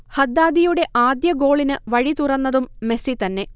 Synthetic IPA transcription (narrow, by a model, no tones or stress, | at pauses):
hɐd̪ːaːd̪ijuɽe̞ʔaːd̪jɐɡo̞ːɭinɨʋɐɻit̪urɐnːɐðumːe̞sit̪ɐnːe̞